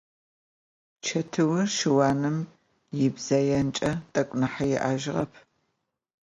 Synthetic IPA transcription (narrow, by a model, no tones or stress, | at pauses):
t͡ʃʰɐtʰɨwʊrʃɪwaːnɨm | jɪbz̥ɐjɐnt͡ʃʼɐtʼɐkʷʼnɨħajɪ̰ʔaːʒɪʁɐ̰pʰ